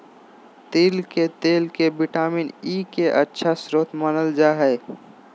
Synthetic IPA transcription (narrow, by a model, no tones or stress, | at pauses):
t̪eːlket̪eːlkebɪʈaːminiːkeʔətːʃʰasɾoːt̪mənəld͡ʒaːɦɛː